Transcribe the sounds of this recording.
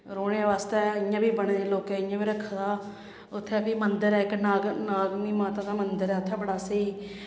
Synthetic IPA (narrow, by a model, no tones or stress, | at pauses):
ɾoːɽeʋaːst̪ɛːɪãːbiːbəɳːeːloːkɛːɪːãːbiːɾəkʰːd̪aː | ʊt̪ʰːɛːpiːmənd̪əɾɛːɪknaːɡnaːɡmiːmaːt̪ãːd̪aːmənd̪əɾɛːʊt̪ʰːɛːbəɽaːsəiː